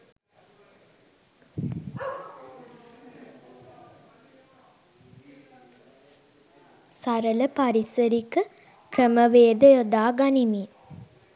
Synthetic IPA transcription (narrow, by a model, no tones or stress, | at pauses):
saɾələpaɾisəɾikə | krəməʋeːd̪əjod̪aːɡanimi